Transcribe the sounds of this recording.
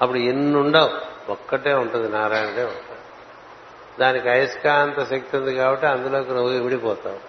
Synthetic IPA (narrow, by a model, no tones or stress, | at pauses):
ɐpːuɽuinːuɳɖawɔkːɐʈe̞ːuɳʈund̪inaːɾaːjnɐʈe̞ːuɳʈaːi | d̪aːnikiɐjskaːɐnt̪ɐʃɐk̚t̪und̪ikaːbɐʈːiɐnd̪ulo̞ːkiɾoːeʋiɽipɔːt̪aːwu